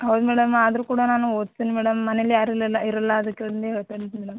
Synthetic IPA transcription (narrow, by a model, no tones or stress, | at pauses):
ɦɐwd̪umɛːɽɐmad̪ɐɾukuːɽanaːnuoːd̪̚t̪iːnimɛːɽɐmːɐnɛɐlːijaːɾilːɐlːɐiɾɐlːɐɐd̪ɐkːeɽɐnd̪eɦeːɭt̪ɐɳit̪imɛːɽɐm